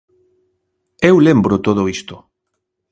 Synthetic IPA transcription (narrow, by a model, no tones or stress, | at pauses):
ewlembɾot̪oð̞oist̪ʊ